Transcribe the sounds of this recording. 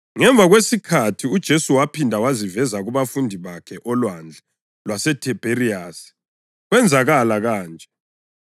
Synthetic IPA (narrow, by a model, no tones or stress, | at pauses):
ŋɛɱbvʱaɣwesikʰatʰiud̥ʒ̥ʱesuwapʰindʱawazivɛzaɣuβafundʱiβakʰɛʔɔlwand͡ɮʱɛ | lwasɛtʰɛb̥ʱeɾiaːsi̥ | ɣwɛnd͡zʱaɣalaɣaːnd͡ʒʱʼɛ